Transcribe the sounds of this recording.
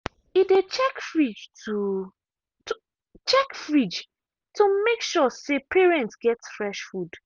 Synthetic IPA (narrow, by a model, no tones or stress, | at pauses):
idet͡ʃɛkfɹid͡ʒtu | t | t͡ʃɛkfɹid͡ʒ | tʰumekʃɔsepʰɛɹɛ̃ntsɡɛtsfɹɛʃfud̥